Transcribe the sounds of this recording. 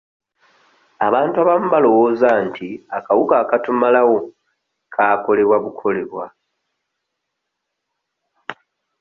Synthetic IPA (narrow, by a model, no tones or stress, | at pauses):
aβaːntuaβamuβalo̞wo̞ːzantʰiakawukakatumalawo̞ | kʰaːko̞le̞βwaβukʰo̞le̞βwa